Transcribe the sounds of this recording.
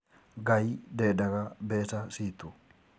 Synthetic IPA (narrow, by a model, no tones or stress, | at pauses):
ɡɐjd̪eːd̪ɐɡɐbeːsɐsiːt̪ːʊ